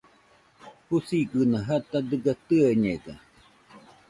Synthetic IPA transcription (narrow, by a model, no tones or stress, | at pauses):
husiɡɨnaɦat̪ad̪ɨɡat̪ɨaɲeɡa̰